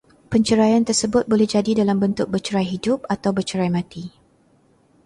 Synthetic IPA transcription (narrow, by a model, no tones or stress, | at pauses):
pəɲt͡ʃəɾajant̪ərsəbʊt̪̚bolɛhd͡ʒadidalambənt̪ʊk̚bət͡ʃəɾajɦidʊp̚at̪awbət͡ʃəɾajmãt̪i